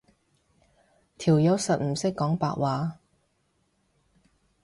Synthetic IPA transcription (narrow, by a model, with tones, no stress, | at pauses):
t̪ʰiː˨˩wjɐ˨˥wsɐ˨t̚m̩˨˩sɪ˥kːɔː˨˥ŋpa̰ː˧˨ʔ̚waː˨˥